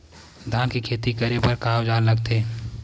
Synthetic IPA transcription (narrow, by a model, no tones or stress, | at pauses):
d̪ʱãːkikʰeːt̪ikəɾepɐɾkaːod͡ʒaːlləɡ̚t̪eː